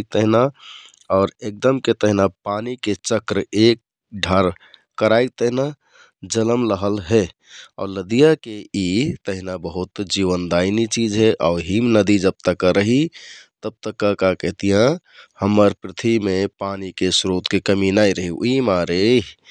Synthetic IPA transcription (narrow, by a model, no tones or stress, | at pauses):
k̚t̪əɦina | ɔːɾek̚d̪əmket̪əɦinapaniket͡ʃəkɾek̚ | ɖʱəɾ | kəɾajk̚t̪əɦina | d͡ʒələmləɦəlɦe | ɔ̰ːɾləd̪ijakeit̪əɦinabəɦut̪d͡ʒiʋənd̪ainit͡ʃid͡ʒɦɛʔaʊɾɦimnəd̪id͡ʒəb̚t̪əkːəɾəɦit̪əb̚t̪əkːakakɛɦt̪ijãhəmːəɾpɾit̪ʰimepanikesɾot̪kekəminaiɾəɦiṵimaɾe